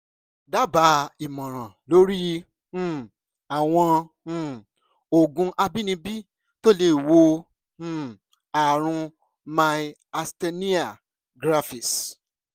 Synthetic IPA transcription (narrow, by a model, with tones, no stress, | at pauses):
da˦ba˨˦i˨mɔ̃˨ɾ̃ã˨lo˨˦ɾĩ˦˨ | a˨w̃ɔ̃˧˦˨ | o˨ɡũ˧ʔa˧bi˦nĩ˧bi˦ | to˦le˧˦˨wõ˧˦ | a˨ɾ̃ũ˧ | mã˧i˧ | a˧ste˧nĩ˦a˨ | ɡɾa˦fi˨s